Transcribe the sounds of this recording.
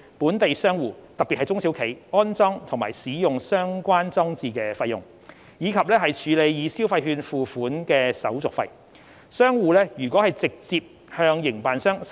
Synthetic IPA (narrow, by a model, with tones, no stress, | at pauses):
puː˨˥nt̪e˨jsœː˥ŋwuː˨t̪ɐ˨k̚piː˨hɐ˨jt͡sʊ˥ŋsi˨˥wkʰe˨˩jɔː˥nt͡sɔː˥ŋt̪ʰʊ˨˩ŋma̰ː˨˩jsiː˨˥jʊ˨ŋsœː˥ŋkʷwaː˥nt͡sɔː˥ŋt͡siː˨˧kɛː˧fɐ˧jːʊ̰˨˩ŋ | jiː˨˧kʰɐ˨p̚lɛː˥ɦɐ˨jt͡ʃʰyː˨˧le˨˧jjiː˨˧siː˥wfɐ˧jɦyː˧nfuː˨˩fuː˨˥nkɛː˧sɐ̰˨˥wt͡sʊ˨kfɐ˧j | sœː˥ŋwuː˨˧lɛː˥jyː˨˩kʷwɔː˨˥hɐ˨jt͡sɪ˨k̚t͡siː˧p̚ | hœː˧ŋjɪ˨˩ŋpaː˨nsœː˥ŋ